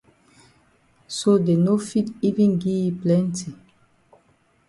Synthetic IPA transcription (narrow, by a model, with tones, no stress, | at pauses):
sode˨no˦fi˦ti˦vĩ˦nɡi˦iplɛ̃˦nti˨